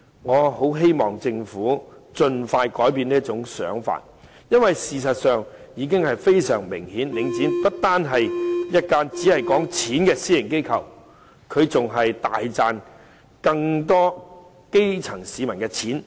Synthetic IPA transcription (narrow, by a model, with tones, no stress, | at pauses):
ŋɔː˨˧ho˨˥wɦe˥jmɔː˨ŋt͡sɪ˧ŋfuː˨˥t͡sɵ˧nfaː˧jkɔː˨˥jpiː˧niː˥ɐt͡sʊ˨˥ŋsœ̰ː˨˥ŋfa̰ː˨t̚ | jɐ˥nwɐ˨jsiː˨s̬ɐ˨t̚sœː˨ŋjiː˨˧k̬ɪ˥ŋhɐ˨jfe˥jsœ̰ː˨˩ŋmɪ̰˨˩ŋhiː˨˥nlɪ˨˧ŋt͡siː˨˥npɐ˥t̚t̪aː˥nɦɐ˨jjɐ˥t̚kaː˥nt͡siː˨˥hɐ˨jkɔː˨˥ŋt͡sʰiː˨˥nkɛː˧siː˥jɪ˨˩ŋke˥jkʰɐ˨w | kʰɵ˨˧ɥt͡sʊ˨ŋɦɐ˨jt̪a̰ː˨jt͡saː˨˧n | kɐ˧ŋt̪ɔː˥ | ke˥jt͡sʰɐ˨˩ŋsiː˨˧mɐ˨˩nkɛː˧t͡sʰiː˨˥n